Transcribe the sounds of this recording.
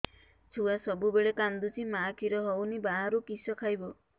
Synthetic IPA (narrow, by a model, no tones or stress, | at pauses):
t͡ʃʰuwasɔbubeɭekand̪ut͡ʃʰimakʰiɾɔɦɔwnibaɦaɾukisɔkʰajbɔ